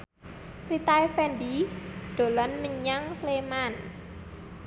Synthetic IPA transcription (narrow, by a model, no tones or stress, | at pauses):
rit̪aefɛndiɖ̪̥o̤lɔnməɲaŋsleman